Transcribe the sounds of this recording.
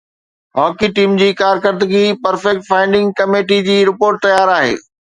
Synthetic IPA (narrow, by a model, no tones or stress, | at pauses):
ɦɔːkiʈiːmd͡ʑiːkaːɾkəɾd̪əɡipɐɾfɛk̚ʈ̚fãːɪ̃ɳɖɪ̃ŋɡkɐmeːʈid͡ʑiːɾɪpoːɾʈ̚t̪ɐjaːɾaːɦḛː